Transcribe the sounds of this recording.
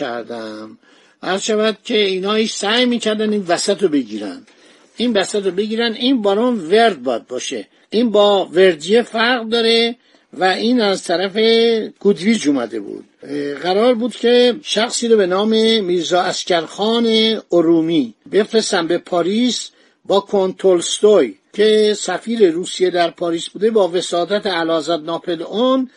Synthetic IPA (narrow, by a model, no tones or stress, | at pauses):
æ̰ɾd̪æm | æɾzʃævæd̪̥̚cʲʰe̞iːnɒːiʃsæjmiːcʰæɾd̪ænd̪iːnvæsæt̪obe̞ɟiːɾæ̰nd̪ | iːnvæsæt̪obe̞ɟiːɾænd̪iːnbɒːɾɔːnveɾd̪̚bɒːjæd̪̚bɒːʃe | ʔiːnbɒːve̞ɾd̪ijefæɾɣd̪ɒːɾe̞ | væiːnæzt̪ʰæɾæfe̞ɡ̥ud̪viːd͡ʒomæ̰d̪e̞̰bṵːd̪̥ɣæɾɒːɾbuːd̪cʲʰe̞ʃæxsiːɾɔbe̞nɒːme̞miːɾzɒːæscæɾxɒːneoɾuːmibe̞fɾesæmbe̞pʰɒːɾiːs | bɒːkʰont̪ʰolst̪ojcʰe̞sæfiːɾeɾuːsijed̪æɾpʰɒːɾiːsbuːd̪e̞bɒːve̞sɒːd̪æt̪ʰeælɒːzæd̪nɒːpʰelon